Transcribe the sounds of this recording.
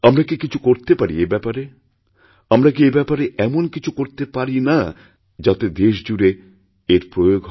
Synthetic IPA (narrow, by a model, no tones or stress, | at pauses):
amɾakikit͡ɕʰukoɾt̪epaɾḭebɛpaɾe | amɾak̬iebɛpaɾeʔɛmonkit͡ɕʰukoɾt̪epaɾina | d͡ʑat̪ed̪eʃd͡ʑuɾe | eɾpɾojoɡɦ